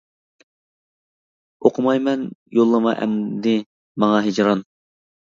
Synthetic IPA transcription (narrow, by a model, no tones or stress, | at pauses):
oqʰʊmɑjmɛnjolˠːəmɑ̰ʔɛ̰md̪ɪ | mɑŋɑɦed͡ʒɾɑn